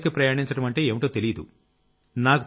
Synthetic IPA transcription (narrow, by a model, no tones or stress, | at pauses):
kipɾɐjaːɳiɲt͡ʃɐɽɐmɐɳʈe̞ːeːmiʈoːt̪elijɐd̪ṵ | naːku